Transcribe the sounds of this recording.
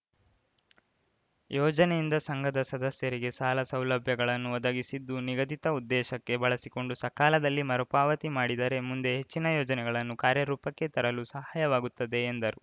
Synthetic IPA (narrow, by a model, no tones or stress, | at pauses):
jʔɔːd͡ʒɐnejind̪ɐsɐŋɡɐd̪ɐsɐd̪ɐsjɐɾiɡe̞saːlɐsɐwlɐbʱjɐɡɐɭɐnːuʋɐd̪ɐɡisid̪ːuniɡɐd̪it̪ɐud̪ːɛːʃɐkːe̞bɐɭɐsiko̞ɳɖusɐkaːlɐd̪ɐlːimɐɾupaːʋɐt̪imaːɽid̪ɐɾe̞mund̪e̞ɦet͡ʃːinɐjɔːd͡ʒɐnɛɡɐɭɐnːukaːɾjɐɾuːpɐkːe̞t̪ɐɾɐlusɐɦaːjɐʋaːɡut̪ːɐd̪e̞ːnd̪ɐɾu